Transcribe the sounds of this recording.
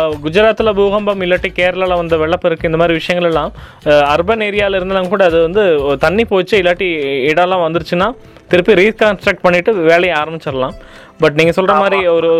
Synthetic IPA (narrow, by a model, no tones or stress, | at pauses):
ɡʊd͡ʒɐɾaːt̪ːɯlɐbuːɣɐmbɐmɪlːaːʈːikeːɾɐlaːlɐ̃ʋɐnd̪ɐʋɛɭːɐpːɪɾɯkːɯ̃ɪnd̪ɐmaːd̪ɾiʋɪʂɐjɐŋɡɐɭɛlːãː | ɐɾbɐneːɾɪjaːlɪɾɯnd̪alːɐ̃ŋɡɐkuːɽɐɐðɯʋɐnd̪ɯt̪ɐnːipoːt͡ʃːɯɪlːaːʈːiɪɽɐlːãːʋɐnd̪ɯɽɯt͡ʃːɯnːaː | t̪ɪɾɯpːiɾiːskaːnsʈɾɐk̚ʈ̚pɐɳːɪʈːɯʋeːlɐjɐ̃aːɾɐmbɪt͡ʃːɐɾɐlãː | bɐʈ̬niːŋɡɐsɔlrɐmaːɾiɔɾɯ